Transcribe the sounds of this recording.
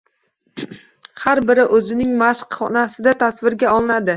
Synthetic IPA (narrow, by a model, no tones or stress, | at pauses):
haɾbɪɾɪʔɵzɪnɪŋmaʃqχɒnasɪd̪at̪ʰasvɪɾɡʲaɒlˠɪnad̪ɪ